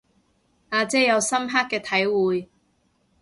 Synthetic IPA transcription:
aː˨˧t͡sɛː˥jɐ˨˧wsɐ˥mɦaː˥k̚ːɛː˧t̪ʰɐ˨˥jwuː˨˧j

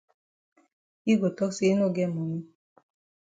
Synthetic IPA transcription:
i˦ɡo˨tɔ˦kse˦no˦˨ɡɛ˦˨mo˨ɲi˦

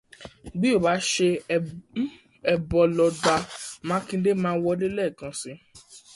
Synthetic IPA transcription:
ɡ͡bi˦o˦˨ba˨˦ʃe˧ | ɛ˧bɔ˧lɔ˧da˧mãː˨˦kĩ˧de˦mãː˦wɔ˧de˦lɛ˦˨kã˨˧sĩ˨˧˦

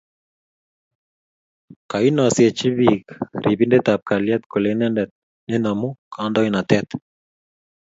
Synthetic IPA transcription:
ka˨i˦nɔ˨sje˨t͡ʃi˦βikɾʔi˨bi˦nde˦t̪a˨p̚ka˨ljɛ˦t̪ko˨le˨nɛ˦ndɛ˨t̪̚ | ne˦na˨mu˦kʰandɔ˦i˦na˨t̪ɛt̪

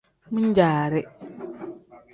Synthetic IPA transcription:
mũ˦ɲ̩˦d͡ʑaː˨ɾɪ˦

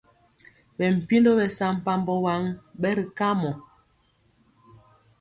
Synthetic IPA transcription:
ɓɛ˨m̩˨pi˦ndo˦bɛ˨sa˨m̩˨pa˨m˨bɔ˨wa˨˦ŋɓɛ˦ɾi˨ka˦mɔ˨

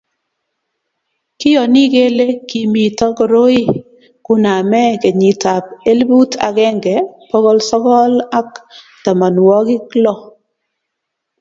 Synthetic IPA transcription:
kɪ˦jɔ˨ni˦ɡe˦le˦ki˨mi˨tɔ˦kɔ˨ɾo˦i˦ | kʊ˦na˨mɛ˦ke˨ɲi˨ta˨p̚e˦lbu˦tʰa̰˨ɡɛ˦ŋɡɛ˨pɔ˦ɣɔ˦lsɔ˦kɔ˦la˦k | ta˨ma˨nwɔ˦ɡɪ˦klɔ˦

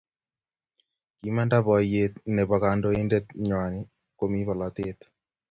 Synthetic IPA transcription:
ki˦ma˦nda˦βɔ˨jet̪̚ne˨βa˨ka˨ndo˦e˦nde˦t̪̚ɲa˨ni˦ | ko˦mi˦βɔ˨la˨t̪e˦t̪

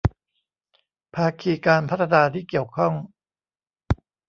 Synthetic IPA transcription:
pʰaː˧kʰiː˧kaː˧npʰa˦˥t̪ʰːa˧naː˧t̪ʰiː˥˩ki˨˩əwkʰɔ˥˩ŋ

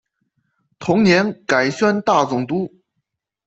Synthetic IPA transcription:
t̪ʰʊ˧˥ŋnjɛ˧˥nka˨˩ɪɕɥa˥nt̪a˥˩t͡sʊ˨˩ŋt̪u˥

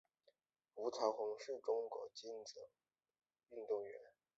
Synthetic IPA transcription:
fu˧˥t͡s̪ʰa˧˥xʊ˧˥ŋʂɻ̩˥˩ʈ͡ʂʊ˥ŋkwɔ̰˧˥t͡ɕi˥n˨˩ | y˥˧nt̪ʊ˥˩ŋɥɛ̰˧˥˦n

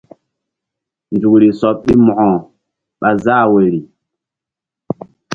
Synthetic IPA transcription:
nd͡ʒu˨kɾi˨sɔ˨˦p̚ɗi˦mɔ˨ɔ̃˨ | ɓa˨za˦˨we˨ɾi˨

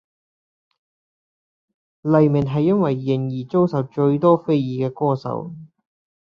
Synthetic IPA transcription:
lɐ˨jmɪ˨˩nɦɐ˨jːɐ˥nwɐ˨jːɪ˨˩ŋjiː˨˩t͡so˥wsɐ˨wt͡ʃɵ˧ɥt̪ɔː˥fe˥jjiː˨˩kɛː˧kɔː˥˩sɐ̰˨˥w

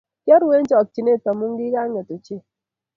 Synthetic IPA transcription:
kjɔ˦ɾwe˦ɲt͡ʃɔ˨k̚t͡ʃi˨ne˦˨ta˨mu˦ŋɡi˦ɡa˦ŋe˨t̪o˨t͡ʃe˦

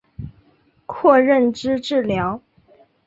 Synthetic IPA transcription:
kʰwɔ˥˧ɻə˥˩nʈ͡ʂɻ̩˥ʈ͡ʂɻ̩˥˩ljɑ˧˥ʊ

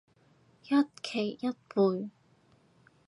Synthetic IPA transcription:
jɐ˥t̚kʰe˨˩jːɐ˥t̚puː˨˧j

